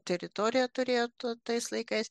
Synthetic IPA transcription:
t̪ʲɛɾʲɪt̪oɾʲɪjɛt̪ʊɾʲeːjoːt̪t̪ɐɪslˠɐɪkɐɪs

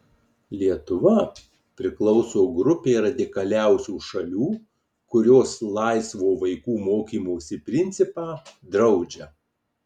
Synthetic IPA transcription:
lʲiɛt̪ʊʋɐ | pʲɾʲɪklˠɒʊsoːɡɾʊpʲeːɾɐd̪ʲɪkɐlʲæˑʊsʲuːʃɐlʲuː | kʊɾʲoːslˠɑɪsʋoːʋɐɪkuːmoːkʲiːmoːsʲɪpʲɾʲɪnʲt̪sʲɪpɑːd̪ɾɐʊd͡ʒʲɛ

